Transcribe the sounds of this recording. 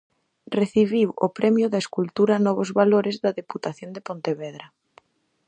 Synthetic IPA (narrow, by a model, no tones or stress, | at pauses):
reθiβiwo̰pɾʔɛmjʊðaeskult̪uɾanɔβozβaloɾɪzðaðeput̪aθjond̪epont̪eβɛðɾa